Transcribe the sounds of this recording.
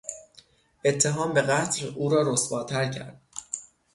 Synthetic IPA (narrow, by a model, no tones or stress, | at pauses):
ʔe̞t̪ʰːe̞ɦɒːmbe̞ɣæt̪ʰluːɾɒːɾosbɒːt̪ʰæɾcʰæ̰ɾd̪̥̚